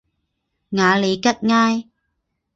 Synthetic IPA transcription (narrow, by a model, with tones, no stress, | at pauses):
ŋaː˨˦li˨˦ka˦˥t̚ŋaː˧j